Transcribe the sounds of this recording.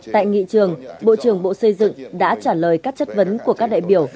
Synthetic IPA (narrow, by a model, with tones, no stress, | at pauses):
t̪a̰ː˧˨jŋḭ˧˨t͡ɕɨ˨˩əŋɓo̰˧˨t͡ɕɨ˧˩əŋɓo̰˧˨sə˧jzɨ̰˧˨ŋɗa̰ː˧˥t͡ɕaː˧˩ləː˨˩jkaː˦˥k̚t͡ɕə˦˥t̚və˨˦nku˧˩əkaː˦˥k̚ɗa̰ː˧˨jɓi˧˩əw